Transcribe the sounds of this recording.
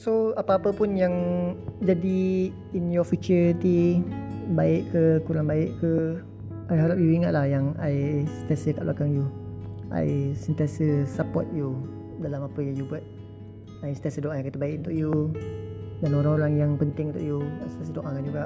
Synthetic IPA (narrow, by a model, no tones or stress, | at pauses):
soapaapəpʊnjaŋd͡ʒadi | injɔfit͡ʃəɾit̪i | baɪʔkəkuɾaŋbaɪʔkə | ʔajɦaɾap̚juiŋaʔ̪̚lahjaŋajsə̥t̪asəkaʔluakaŋjuʔa̰jsənt̪iasəsapɔ̰t̪̚ju | dalamapəjaŋjubuat̪̚ | ajsə̥t̪ɛsədoʔajaŋkit̪əbaɪk̚unt̪ʊkju | danoɾaŋoɾaŋjaŋpənt̪ɪŋnt̪ʊʔjua̰jsət̪ɛsədoʔakand͡ʒuɡaʔ